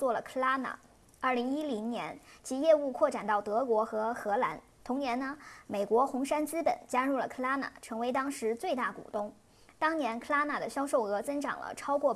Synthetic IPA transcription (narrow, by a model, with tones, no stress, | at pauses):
t͡swɔ˥˩lə˩kʰə˥la˥na̰˨˩˦ | ə˞˥˩li˧˥ŋi˥li˧˥ŋnjɛ˧˥nt͡ɕʰi˧˥jɛ˥˧u˥˧kʰwɔ˥˩ʈ͡ʂa˨˩nt̪ɑ˥˩ʊt̪ɤ˧˥kwɔ˧˥xɤ˧˥xɤ˧˥la˧˥n | t̪ʰʊ˧˥ŋnjɛ˧˥nnə˧me˨˩ɪkwɔ˧˥xʊ˧˥ŋʂa˥nt͡sɹ̩˥pə̰˨˩nt͡ɕja˥ɻu˥˩lə̰˨˩kʰɤ˥la˥na̰˨˩ʈ͡ʂʰɤ˧˥ŋwe˧˥ɪt̪ɑ˥ŋʂɻ̩˧˥t͡swe˥˧ɪt̪a˥˩kṵ˨˩t̪ʊ˥˩ŋ | t̪ɑ˥ŋnjɛ˧˥nkʰɤ˥la˥na˨˩d̪ə˩ɕjɑ˥ʊʂo˥˩ʊɤ˧˥t͡sɤ˥ŋʈ͡ʂɑ̰˨˩ŋlə̰˦ʈ͡ʂʰɑ˥ʊkwɔ˥˩